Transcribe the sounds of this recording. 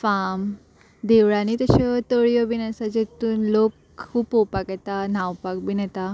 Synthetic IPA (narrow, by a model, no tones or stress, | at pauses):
fam | d̪eʋɽanit̪əɕɔt̪əɭjɔbinəsad͡ʑet̪uːnlokʰ | uːpowpakɛt̪anawpak̚binɛt̪a